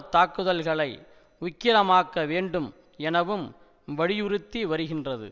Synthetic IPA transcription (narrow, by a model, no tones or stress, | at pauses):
t̪aːkːɯðɐlɣɐɭɐɪ | ʊkːɪɾɐmaːkːɐʋeːɳɖɯm | ɛnɐʋɯm | ʋɐɻɪjʊɾɯt̪ːiʋɐɾɯɣɪndrɐðɯ̰